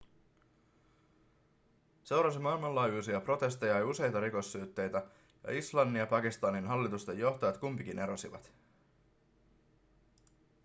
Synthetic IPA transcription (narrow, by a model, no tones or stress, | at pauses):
se̞wɾɑsimɑilmɑlːɑːjuːsiɑpro̞t̪e̞st̪ejɑjuse̞jt̪ɑɾiko̞sːyːt̪ːe̞jt̪æ | jɑ̰islɑnːiɑpɑkist̪ɑninɦɑlːit̪ust̪e̞jːo̞ht̪ojɑt̪kumpik̟ine̞ɾo̞siʋɑ̰t̪